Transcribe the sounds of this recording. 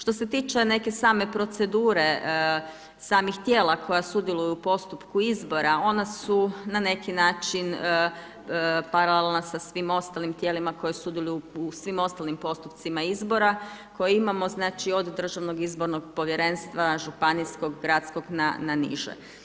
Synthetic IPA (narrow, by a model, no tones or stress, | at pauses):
ʃt̪o̞se̞t̪iːt͡ʃene̞ke̞saːme̞pɾo̞t̪se̞d̪uːɾe̞ | saːmixt̪jeːlˠakʰo̞jasud̪jelˠujuupo̞st̪upkuizbo̞ɾao̞nasunane̞kinaːt͡ʃin | paɾalelnosasʋimo̞st̪alimt̪jeːlimako̞jesud̪jelujuusʋimo̞st̪alimpo̞st̪upt̪simaizbo̞ɾako̞jeimamo̞znaːt͡ʃio̞d̪d̪r̩ʒaʋno̞ɡizbo̞ɾno̞ɡpo̞ʋje̞ɾe̞nst̪ʋaʒupanisko̞ɡɡɾat̪sko̞ɡna̰nanḭʒḛ